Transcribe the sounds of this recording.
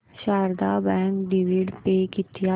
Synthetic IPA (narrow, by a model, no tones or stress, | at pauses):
ʃaːɾd̪aːbɛ̃ːŋkɖiʋiɖpeːkɪt̪ʰɪja